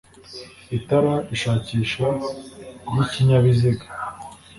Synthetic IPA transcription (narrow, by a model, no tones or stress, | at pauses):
itaɾaiʃaːciːʃa | βiciɲaβiziɡa